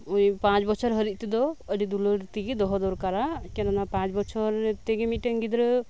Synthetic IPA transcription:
ujpãt͡ʃbɔt͡ʃʰɔɾɦəɾit̪̚ˀt̪ɛd̪ɔəɖid̪uləɾt̪iɡid̪ɔɦɔd̪ɔɾkaɾakɛnanapãt͡ʃbɔt͡ʃʰɔɾɛt̪ɛɡemit̪̚ʈəəŋɡid̪ɾə

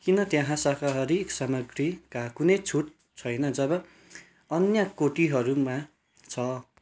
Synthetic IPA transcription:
kinʌt̪jãɦãsakaɦʌɾiksamʌɡɾikakunʌjt͡sʰuʈ | t͡sʰʌjnʌd͡zʌbʌ | ʌnjakoʈiɦʌɾumã | t͡sʰʌ

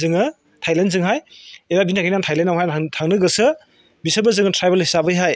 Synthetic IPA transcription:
zɯŋɯ | tʰajlenzɯŋɦajelabinʰaɡinantʰajlenːawɦajtʰaŋnɯɡɯsɯ | bisɯbɐzɯŋɯtʰɾajbelhisabɯjɦaj

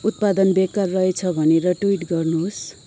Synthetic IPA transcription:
ut̪̚pad̪ʌnbekarːʌɦet͡sʰʌbʱʌneɾʌʈwiʈɡʌrnus

